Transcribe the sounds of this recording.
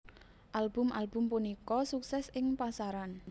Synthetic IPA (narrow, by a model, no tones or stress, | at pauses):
ʔalb̥ʊmʔalb̥ʊ̤mpunikɔsuksɛsɪŋpasaɾan